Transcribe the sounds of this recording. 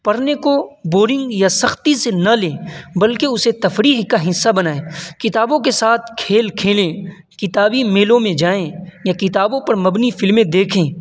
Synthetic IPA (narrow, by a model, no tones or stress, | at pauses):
pɐɾnekoboːɾɪ̃ŋɡjasɐxt̪isenɐlẽːbɐlkeʊset̪ɐfɾiːɦkaɦɪsːabɐnaːeːkɪt̪aːbõkesaːt̪ʰkʰeːlkʰeːlẽː | kɪt̪aːbimeːlõmẽd͡ʒaːẽjakɪt̪aːbõpɐɾmɐbnifɪlmẽd̪eːkʰẽː